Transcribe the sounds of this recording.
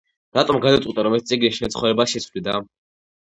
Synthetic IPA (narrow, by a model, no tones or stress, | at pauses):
ɾat̪ʼɔmɡad̪at̪sʼit̪aɾɔmɛt̪̚t̪sʼiɡɾiʃɛnt̪sʰχɔvɾɛbasʃɛt̪sʰvlid̪a̰